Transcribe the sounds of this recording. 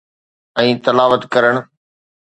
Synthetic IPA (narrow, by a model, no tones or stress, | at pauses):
ɛ̃ːt̪ɐlaːʋət̪kɐɾəɽ̃